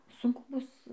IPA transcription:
sʊŋˈkʊ ˈbʊs

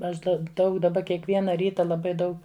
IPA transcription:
ˈɐʃ ˈdɐ ˈdɐʊk dɐˈbɐ kʲiɛkˈʋʲiɛnɐ ˈrʲiːtɐ lˠɐˈbɐɪ ˈdɐʊk

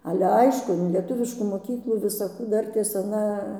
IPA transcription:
ˈɑːlʲɛ ˈɐɪʃkʊ ɪn lʲiɛˈtʊʋʲɪʃkuː moːˈkʲiːklˠuː ʋʲɪsɐˈkuː ˈdɐrʲtʲeːs ɐˈnɐ

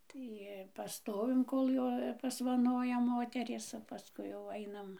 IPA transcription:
ˈtɐɪ pɐˈstoːʋʲɪm ˈkoːlˠ joː pɐsʋɐˈnoːjɛ ˈmoːtʲɛrʲeːs oː pɐˈskʊɪ jɛʊ ˈɐɪnɐm

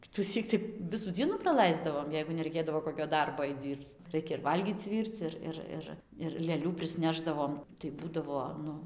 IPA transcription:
kʲɪtʊˈsʲiːk tɐɪ ˈʋʲɪsuː ˈd͡zʲiɛnuː prɐˈlˠɐɪzdɐʋoːm jɛɪɡʊ nʲɛrɐɪˈkʲeːdɐʋoː ˌkoːkʲoː ˈdɐrboː ɐɪt ˈd͡zʲiːrpt͡s ˈrɐɪkʲɛ ɪr ˈʋɐlʲɡʲiːt͡s ˈʋʲiːrt͡s ˈɪr ˈɪr ˈɪr ɪr lʲeːˈlʲuː pʲrʲɪsʲˈnʲæːʒdɐʋoːm tɐɪ ˈbuːdɐʋoː ˈnʊ

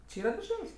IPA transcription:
t͡ʃʲɪ ˈiːrɐ dɐrʲˈʒʲɛlʲsʲ

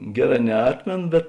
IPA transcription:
ˈɡʲæːˌrɑː nʲɛˈɑːtʲmʲeːnoː bʲɛt

